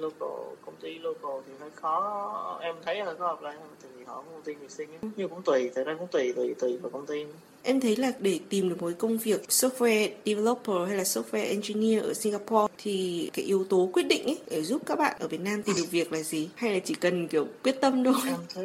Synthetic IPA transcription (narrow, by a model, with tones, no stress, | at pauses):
lo˧ko̰˧˩kə˧wŋ͡mt̪i˧lo˧ko˧˩t̪ʰi˨˩ɦə˧˩jxɔ˨˦ʔɛ˧mt̪ʰə˨˦jəː˧˩kɔ˨˦hɔ˨˩p̚la̰ː˧˨˩jə˧t̪ʰa˧˨˩vʰi˨˩hɔ̰˧˩kʊ˧˦ŋ͡mkə˧ŋ͡mt̪i˧ni˨˩sï˧ŋ˨˦ɲɨ˧kʊ̰˧˥ŋ͡mt̪wi˧˩t̪ʰəː˨˩jzaː˧kʊ̰˧˥ŋ͡mt̪wi˨˩t̪wi˨˧˩t̪wi˨˩vaː˨˩kə˧wŋ͡mt̪i˧ | ʔɛ˧mt̪ʰə˨˦jlaː˨˩ɗe˧˩t̪i˨˩mɗɨ˨˩əkmo˨˦jkə˧wŋ͡mvi˨˩ək̚so˦˥f̚wɛ˧ɗi˧vɛ˧lɔ˦˥pːəː˨˩ha˧jlaː˨˩so˦˥f̚wɛ˧ʔɛ˧nzi˧ni˧əʔəː˧˩si˧ŋɣaː˧pɔ˧t̪ʰi˨˩kaː˨˦jʔi˨˦əwt̪o˨˦kwi˦˥ət̚ɗḭ˧˨ŋ̟ʔə˨˦jɗe˧˩zu˦˥p̚kaː˦˥k̚ɓa̰ː˧˨nʔəː˧˩vi˨˩ən̚naː˧mt̪i˨˩mɗɨ˨˩ək̚vi˨˩ək̚laː˨˩zi˨˩ha˧jlaː˨˩t͡ɕi˧˩kə˨˩nki˧˩əwkwi˦˥ət̚t̪ə˧mɗo˧˦˧t̪ʰə˨˦